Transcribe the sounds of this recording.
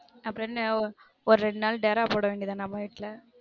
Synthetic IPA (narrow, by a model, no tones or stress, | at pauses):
ɐpːɐɾɐn | ɔɾɯɾɛɳɖnaːlɖɐːɾaːpoːɽɐʋeːɳɖiɐðaːnɐmːɐːʋɪʈːlɐ